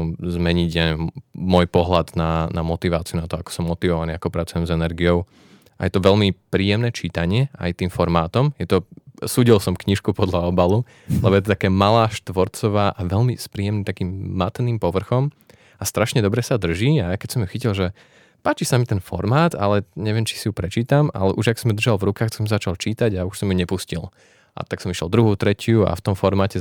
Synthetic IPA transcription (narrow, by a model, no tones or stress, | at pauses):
zmɛɲiɟɛmɔjpɔɦlad̪nanamɔt̪iʋaːt͡siunat̪ɔakɔ̥sɔmːɔt̪iʋɔʋaniːakɔpɾat͡sujɛmzɛnɛɾɡijɔʊ | ʔa̰jɛt̪ɔʋɛlmipɾiːjɛmnɛːt͡ʃiːt̪aɲɪɛa̰jt̪iːmfɔɾmaːt̪ɔmjɛt̪ɔsuːɟilsɔmkɲiʃkupɔd̪laɔbalu | lɛbɔjɛt̪ɔt̪akaːmalaːʃt̪ʋɔɾt͡sɔʋaːʔaʋɛʎmispɾiːjɛmnit̪akiːmːat̪niːmpɔʋr̩xɔm | ast̪ɾaʃɲɛd̪ɔbɾɛsad̪r̩ʒiːakɛcsɔmjuxicilˠʒɛ | paːt͡ʃisamit̪ɛnfɔ̰ɾmaːd̪a̰lɛɲɛʋɪɛmt͡ʃi̥sijupɾɛt͡ʃiːt̪ama̰lɛʔuʒaksɔmd̪r̩ʒalvɾukaːxsɔmzat͡ʃalˠt͡ʃiːt̪aɟauʃsɔmjuɲɛpuscil | ʔa̰t̪aksɔmiʃɛ̰lˠd̪ɾuɦuːt̪ɾɛcɪua̰ft̪ɔmfɔɾmaːcɛ